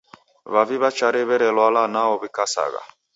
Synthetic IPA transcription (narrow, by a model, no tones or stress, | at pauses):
βaviβat͡ʃaɾeβɛɾɛlwalanaɔbikasa̰ɣa̰